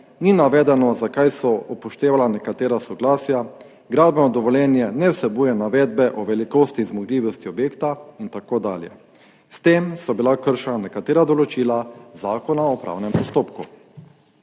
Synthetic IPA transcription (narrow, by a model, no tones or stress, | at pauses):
ninaʋɛːd̪ɛnɔzakajsɔɔpɔʃt̪eːʋalanɛkat̪eːɾasɔɡlaːsja | ɡɾaːd̪bɛnɔd̪ɔʋɔljɛːnjɛnɛwsɛbuːjɛnaʋɛːd̪̚bɛʔɔʋɛlikost̪izmɔɡliːʋɔst̪iɔbjeːkt̪aint̪akoːd̪a̰ːljɛ̰ | st̪emsɔbilakəɾʃɛnanɛkat̪eːɾad̪ɔlɔt͡ʃiːlazaːkɔnaɔpɾʔa̰ːwnɛmpɔst̪oːpku